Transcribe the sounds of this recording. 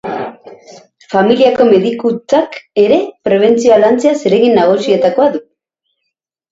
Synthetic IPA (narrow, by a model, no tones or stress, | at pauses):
familiako̞me̞ðikut͡sake̞ɾe̞pɾe̞β̞e̞nt͡sio̞alant͡se̞ase̞ɾe̞ɣinːaɣ̞usie̞t̪ako̞aðu